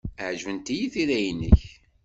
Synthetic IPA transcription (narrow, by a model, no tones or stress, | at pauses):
əʕʒvənt̪ijiθiɾæjənːə̰ç